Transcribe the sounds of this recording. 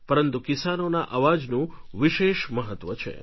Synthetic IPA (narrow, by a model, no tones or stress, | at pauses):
pəɾənt̪ukisanonaʔaʋad͡ʒnũʋiʃeʃməɦət̪ʋət͡ʃʰḛ